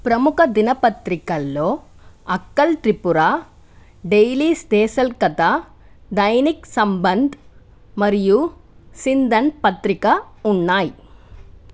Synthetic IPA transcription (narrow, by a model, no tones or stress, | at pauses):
pɾɐmukʰɐd̪inɐpɐt̪ɾikɐlːoː | ɐkːɐlʈ̪ɾipuɾaː | ɖejliːst̪ɛːsɐlkɐt̪a | ɖ̪ɐjniksɐmbɐnd̪ʱ | mɐɾijusind̪ʱɐnpɐt̪ɾikɐuɳːaːji